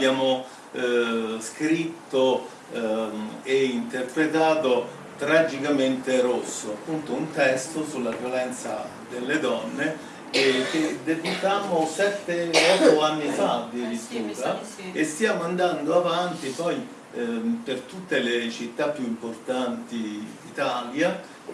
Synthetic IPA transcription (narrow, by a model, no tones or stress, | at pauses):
bjaːmo | skɾit̪ːo | eint̪erpɾet̪aːt̪o | t̪ɾad͡ʒikament̪eɾosːoapːunt̪ount̪ɛst̪osulːavjolɛnt̪sa̰ | d̪elːed̪ɔnːe | k̟ed̪eput̪amːosɛt̪ːeɔt̪ːoanːifad̪iɾit̪ːuːɾaest̪jaːmoand̪and̪oavant̪ipɔj | pert̪ut̪ːelet͡ʃit̪ːapːjuimport̪ant̪id̪it̪aːlja